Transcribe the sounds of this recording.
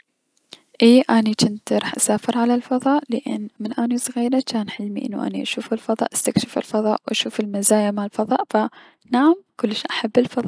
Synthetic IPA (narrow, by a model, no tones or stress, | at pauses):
ʔiːʔanit͡ʃɪnt̪ɾˤɑːħʔasaːfɪɾʕalalfɑðˤɑːʔlɪʔɪ̰nːmɪnʔanisˤɣiːɾat͡ʃaːnħɪlmḭʔɪ̰nːṵʔa̰niʔaʃuːfɪlfɑðˤɑ̰ːʔḁst̪akʃɪfɪ̰lfɑðˤɑ̰ːʔwʔaʃuːfɪlmazaːjamalfɑðˤɑ̰ːʔfa | naʕamkʊlːʃʔaħabːɪlfɑðˤɑ